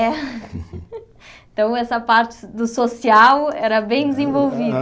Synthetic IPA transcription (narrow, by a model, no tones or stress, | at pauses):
ɛ | ẽt̪ɐ̃w̃ɛsɐpaɾt̪ɪ̥d̪usosiawɛɾɐbẽj̃d̪ɨzẽvolˠvið